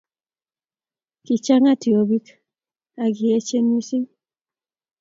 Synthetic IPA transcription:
ki˨t͡ʃa˦ŋa˦ti˨o˨bi˦k | a˨ɡi˨e˦t͡ʃe˦n˦i˦si˦ŋ

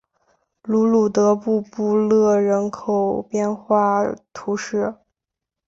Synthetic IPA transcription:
lu˧˥lu˨˩t̪ɤ˧˥pu˥˧pu˥˧lɤ˥˩ɻə˧˥nkʰo˨˩ʊpjɛ˥˧nxwa˥˩t̪ʰu˧˥ʂɻ̩˥˩

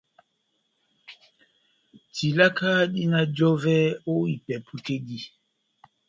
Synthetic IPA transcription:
ti˨la˦ka˦ɗi˦na˦d͡ʒɔ˦vɛ˦o˦i˨pɛ˨pʰu˦te˦di˦

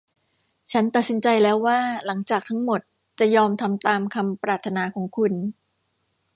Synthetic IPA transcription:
t͡ɕʰa˦˥nt̪a˨˩si˩˦nt͡ɕa˧jlɛː˦˥wːaː˥˩la˩˦ŋt͡ɕaː˨˩k̚t̪ʰa˦˥ŋmo˨˩t̪̚ | t͡ɕa˨˩jɔː˧mt̪ʰa˧mt̪aː˧mkʰa˧mpɾaː˨˩t̪ʰːa˧naː˧kʰɔː˩˦ŋkʰu˧n

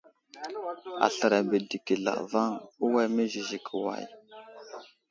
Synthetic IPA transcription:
a̰˨ɬə˨ɾa˨bə˨di˨ki˨ɮa̰˨va˦ŋu˦wa˦me˦zi˨zi˨kʰə˨wa̰˨j

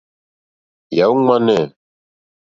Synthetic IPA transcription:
ja˨˦wu˦ŋ͡ma˦nɛ˦˨

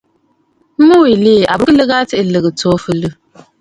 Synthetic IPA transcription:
m̩˦mɨ˦wi˨li˦˨ʔa˨bɨ˦ɨ˦lɨ˦ɣa˦tɨ˦ʔɨ˨lɨ˨ɣɨ˨toː˦fɨ˦lɨ˦

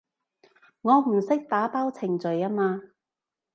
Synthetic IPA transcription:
ŋɔː˨˧m̩˨˩sɪ˥k̚t̪aː˨˥paː˥wt͡sʰɪ˨˩ŋt͡sɵ˨jaː˥maː˧

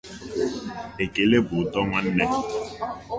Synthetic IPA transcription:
e˨ke˨le˦bʊ˨˦tɔ˦ŋa˦n̩˦nɛ˦

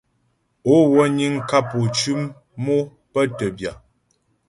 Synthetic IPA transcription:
o˨˦wɔ˦ɲi˦ŋ˦ka˦po˨t͡ʃʉ˦mː | o˦ | pə˦tə˨bja˨

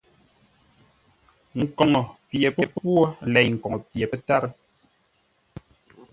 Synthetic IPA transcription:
ŋ̩˨kɔ˨ŋɔ˨pje˨pə˨ppwɔ˦lɛ˨jŋ̩˨kɔ˨ŋɔ˨pje˨pə˦ta˦ɾə˦

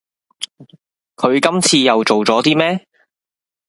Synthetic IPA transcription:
kʰɵ˨˧ɥkɐ˥mt͡sʰiː˧jɐ˨wt͡so˨wt͡sɔː˨˥t̪iː˥mɛː˥

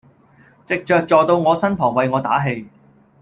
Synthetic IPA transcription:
t͡sɪ˨k̚t͡ʃœː˨k̚t͡ʃɔː˨˧t̪o˧wŋɔː˨˧sɐ˥npʰɔː˨˩ŋwɐ˨jŋɔː˨˧t̪aː˨˥ɦe˧j

